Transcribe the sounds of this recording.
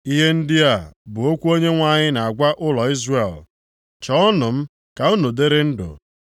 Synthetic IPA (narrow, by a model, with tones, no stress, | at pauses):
i˦ɦe˦n̩˦dɪ˦a˦˨bʊ˨o˦kʷu˦o˦ɲe˦ŋʷa˦ɲɪ˦na˨a˨ɡʷa˦ʔʊ˦lɔ˨i˦zre˨l | t͡ʃɔ˦ɔ˦nʊ˨m̩˦ | ka˨u˦nu˨de˦ɾe˦n̩˦dʊ̰˨